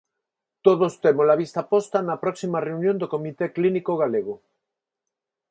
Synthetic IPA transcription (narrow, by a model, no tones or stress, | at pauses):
t̪oðost̪emozlaβ̞ist̪apost̪anɐpɾɔksimareunjõnd̪okomit̪eklinikoɣaleɣo